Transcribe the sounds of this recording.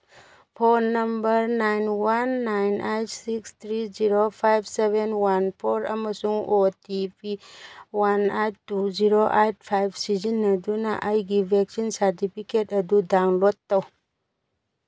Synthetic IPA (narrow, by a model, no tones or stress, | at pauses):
pʰonːɐmbəɾnajnwanːajnʔajtsikst̪ʰɾiziɾopʰajbseβenwanpʰoɾɐ̰məsuŋotipʰiwanajtːuziɾoʔajt̚pʰajbsizinɐdunaʔajɡibʱɛksinsaɾtipʰiketɐdudawnlotːaw